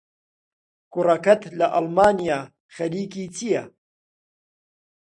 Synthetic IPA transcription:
kʊrɐkɐt̪lɐʔɐlmaːnijaː | xɐliːkiːt͡sʰijɐ

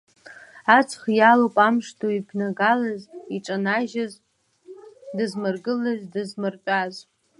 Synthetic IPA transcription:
at͡sʰχjalopʼamʂtʰoibʰnaɡalaziʈ͡ʂʼanaʒaz | dɨzmɨrɡɨlaʒʲdɨzmɨrqʲʷʼaz

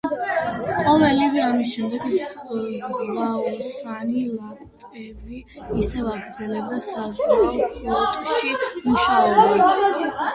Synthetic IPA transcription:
qʼɔvɛliviamisʃɛmd̪ɛɡzvaɔsanilapʼt̪ʼɛbiː | sɛvaɡɾd̪zɛlɛb̚d̪asazaɔpʰʼiɔt̪ʼʃimuʃaɔbba

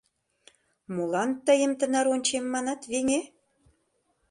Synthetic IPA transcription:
molɑnt̪əjə̆mt̪ə̆nɑɾonʲt͡ɕemːɑnɑt̪βeŋe

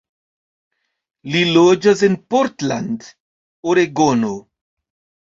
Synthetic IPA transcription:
lilod͡ʒas̬enpoɾt̪land | oɾeɡono

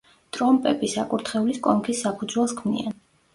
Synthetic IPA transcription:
t̪ʼɾɔmpʼɛbisakʼuɾt̪ʰχɛuliskʼɔŋkʰisːapʰud̪zwɛlˠskʰmnḭan

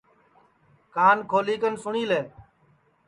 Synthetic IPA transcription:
kaːnkʰoːliːkənsʊɳiːleː

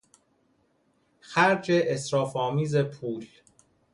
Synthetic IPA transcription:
xæɾd͡ʒeʔesɾɒːfɒːmiːze̞pʰuːl

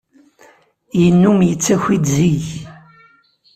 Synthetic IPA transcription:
jənːumjət͡sːæçid̪ziç

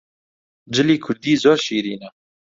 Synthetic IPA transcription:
d͡ʒɪliːkʰʊɾd̪iːzoːɾʃiːɾiːnɛ

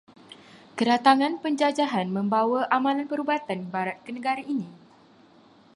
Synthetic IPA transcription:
kəɾat̪aŋãnpəɲd͡ʒad͡ʒaɦanmə̃mbawaʔamãlanpəɾubat̪anbaɾat̪̚kənə̃ɡaɾainĩ

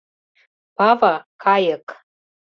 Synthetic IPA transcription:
b̥avakʰajəkʼ

